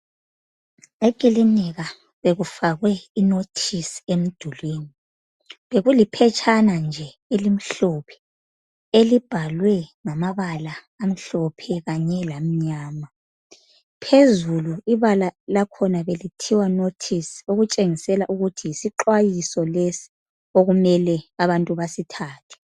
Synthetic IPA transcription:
ekʼiliniɣa | βeɣufaɣwɛinotʰisi̥em̩d̥ʱulweːni | βeɣulipʰɛt͡ʃʰʼanand͡ʒʱɛ | elim̩ɬɔpʰɛ̥ | elib̥ʱalwɛŋamaβalaː | m̩ɬɔpʰɛɣaɲɛlam̩ɲaːma | pʰezuluiβalalakʰɔnaβelitʰiwanotʰisi̥oɣut͡ʃʼeŋisɛlaʔuɣutʰijisiǃwajisɔlesi̥ | oɣumɛlɛaβantʼuβasitʰaːtʰɛ̥

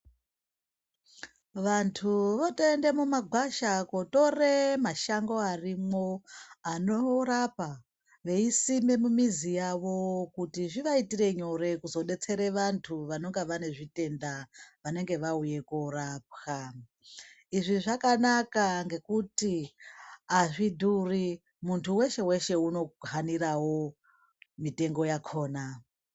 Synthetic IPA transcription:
ʋantʰuʋotende̞mumaɡʱwaʃakoto̞re̞maʃaŋɡo̞arimo̞anorapa | ʋe̞isime̞mumizijaʋo̞kutiʐiʋaitire̞ɲo̞ɾe̞kuzo̞ɗe̞t͡se̞ɾe̞ʋantʰuʋano̞ŋɡeʋane̞ʐite̞ndaʋane̞ŋɡe̞ʋauje̞korap̚xa | iʐiʐakanakaŋɡe̞kuti | aʐidʱuri | muntʰuwe̞ʃe̞we̞ʃe̞uno̞ɡʱaniɾawo̞ | mite̞ŋɡo̞jakʰo̞ːna

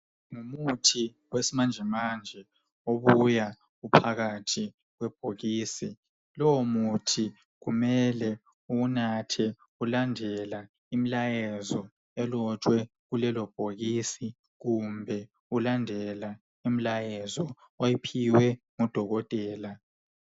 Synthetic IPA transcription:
ŋumutʰi | wesimand͡ʒʱɛmand͡ʒʱɛ | oβuja | ɣupʰaɣatʰi | ɣwɛb̥ʱoɣiːsi | lɔwomutʰi | ɣumɛlɛ | unatʰɛ | ulandʱɛla | imilajɛzɔ | ɛlɔt͡ʃʼwɛ | ɣulɛlɔb̥ʱoɣiːsi | ɣumbʱɛ | ulandʱɛla | im̩lajɛzɔ | ojipʰiwɛŋɔd̥ʱɔɣɔtʼɛːla

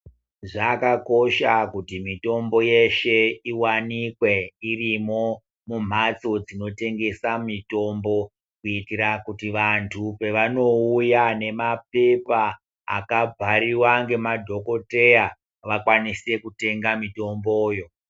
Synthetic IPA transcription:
ʐakako̞ʃakutimito̞mbo̞je̞ʃe̞iwanikwe̞irimo̞ | mum̤at͡so̞d͡zino̞te̞ŋɡe̞samito̞mbo̞ | kuitiɾakutiʋantʰupe̞ʋano̞ujane̞map̚e̞pa | a̰kab͡vʱaɾiwaŋɡe̞madʱo̞ko̞te̞ja | ʋakwanise̞kute̞ŋɡamito̞mbo̞ːjo̞

